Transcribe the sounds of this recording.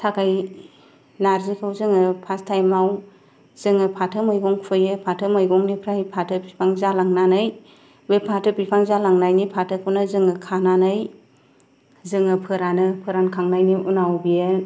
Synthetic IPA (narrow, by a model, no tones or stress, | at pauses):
tʰakʰaj | naɾzikʰɯwzɯŋɯpʰastʰajmaw | z̥ɯŋɯpʰatʰɯmɯjɡɔŋpʰɯjɯpʰatʰɯmɯjɡɔŋnipʰɾahipʰatʰɯpipʰaŋzalaŋnanɯj | wepʰatʰɯpipʰaŋzalaŋnajnipʰatʰɯkʰɯwnɯzɯŋɯkʰananɯj | zɯŋɯpʰɯɾanɯpʰɯɾankʰaŋnajniʔunawbije